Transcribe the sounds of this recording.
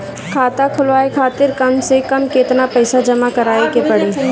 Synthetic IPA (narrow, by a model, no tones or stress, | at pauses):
kʰaːt̪akʰʊlʋaːekʰaːt̪ɪɾkɐmsekɐmkeːt̪napɛɪsad͡ʒɐmakɐɾaːekepɐɽeː